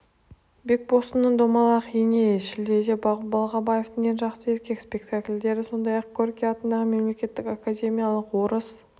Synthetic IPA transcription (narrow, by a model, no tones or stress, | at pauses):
bek̚bo̞st̪ənːəɴd̪omɑlˠɑqʰenʲejʃɪld̪e̞d̪ebɑlˠʁɑbaje̞ft̪əŋenʒɑqsəe̞ɾkʲe̞kspʲe̞k̚t̪akʲlʲd̪e̞ɾɪso̞nd̪ɑjɑqkʲʰoɾkʲijɑt̪ənd̪ɑʁəme̞mle̞kʲe̞t̪ːɪkʲakadʲe̞mʲijalˠəqwo̞ɾəs